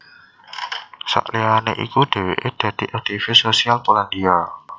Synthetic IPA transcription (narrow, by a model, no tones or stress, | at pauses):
sa̰ʔlianḛʔḭkud̪̥e̤weʔed̪̥ä̤d̪̥i̤ʔak̚t̪ifɪsosialpoland̪ia